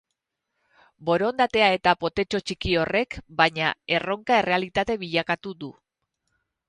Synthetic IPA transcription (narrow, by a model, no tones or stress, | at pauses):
bo̞ɾo̞nd̪at̪e̞ae̞t̪apo̞t̪e̞t͡ʃo̞t͡ʃikio̞re̞kbaɲae̞ro̞ŋkae̞re̞alit̪at̪e̞βiʎakat̪uðu